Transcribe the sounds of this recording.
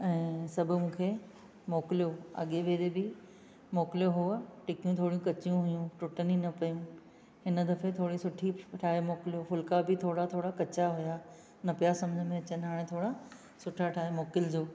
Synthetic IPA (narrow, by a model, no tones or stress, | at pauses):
ɛ̃ːsɐbʱʊmũːkʰeː | moːkɪlijoɐ̰ɠeʋeːd̪ebɪ | moːkɪlijoɦʊʈɪkijũt̪ʰoːɽijũkɐt͡ɕijũɦʊjũʈʊʈəninɐpɐjũ | ɦɪnəd̪ɐfet̪ʰoːɽisʊʈʰiʈʰaːɦemoːkɪlijofʊlkabɪt̪ʰoːɽat̪ʰoːɽakɐt͡ɕaɦʊja | nɐpijasɐ̃məd͡ʑʱəmẽɐt͡ɕənɦaːɽ̃et̪ʰoːɽa | sʊʈʰaʈʰaːɦemoːkɪld͡ʑoː